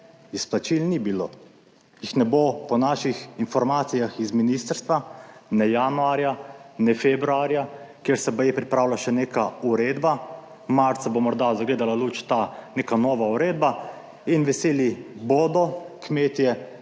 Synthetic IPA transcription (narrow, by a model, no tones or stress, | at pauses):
isplat͡ʃilnibiloː | jixnɛbopɔnaːʃixinfɔɾmaːt̪sijaxizminist̪əɾst̪ʋanɛjanuaːɾjanɛfebɾuaːɾjakeɾsɛbajɛpɾipɾaːwlaʃɛneːkauɾeːd̪ba | maɾt̪sabomɔɾd̪azaɡleːd̪alalut͡ʃt̪aneːkanɔːʋauɾeːd̪ba | inʋɛseːlibod̪ɔkmeːt̪jɛ